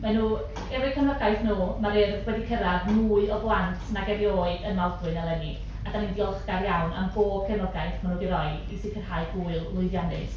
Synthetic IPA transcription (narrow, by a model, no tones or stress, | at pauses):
manuː | ɛɾɪ̥kʰənɔɡajθnuːmaɾɪrwɛdikʰəɾavnuːɨɔblˠantʰnaɡɛɾjoːɨdənmaldwɨnalˠɛni | adanindiɔlˠχɡarjawna̰mɡoːb̥kʰɛnɔɡajθmanuːdiɾɔjdisikʰənhajɡuːɨlˠlˠʊɨðjanɪ̰s